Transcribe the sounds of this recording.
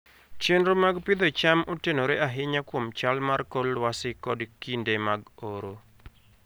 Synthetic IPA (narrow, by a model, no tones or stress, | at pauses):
t͡ʃenɾomaɡpɪd̪ɔt͡ʃamʔotenoɾeaɦɪɲakwomt͡ʃalmarkɔlːwasɪkɔdkindemaɡoɾo